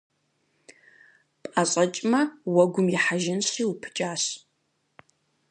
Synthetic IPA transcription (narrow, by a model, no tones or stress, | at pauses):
pʼaɕʼɐt͡ʃʼmɐwɐɡʷʊmjɪħaʒɪnɕiːwʊpʰɨ̥t͡ʃʼaːɕ